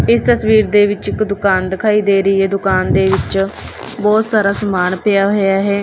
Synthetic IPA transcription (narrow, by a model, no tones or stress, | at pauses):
ɪst̪əsʋiːɾd̪eːʋɪt͡ʃɪkd̪ʊkaːnd̪ɪkʰaːiːd̪eːɾəiːɦɛːd̪ʊkaːnd̪eːʋɪt͡ʃ | bɔːt̪saːɾaːsəmaːnpɪjaːɦoːjaːɦɛː